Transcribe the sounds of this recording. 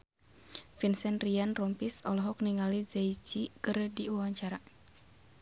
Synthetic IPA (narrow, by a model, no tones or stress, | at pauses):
finsɛnrianrɔmpisɔlɔɦɔk̚niŋalizaid͡ʒikəɾdiuwaɲt͡ʃaɾa